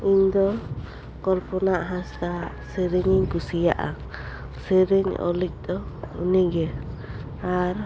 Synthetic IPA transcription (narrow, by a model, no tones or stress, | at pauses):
iɲd̪ɔ | kɔɾpɔnaʔɦãst̪a | seɾiɲiɲkusijaʔa̰ | seɾeɲɔ̰lik̚ˀd̪ɔuniɡɛ | aɾ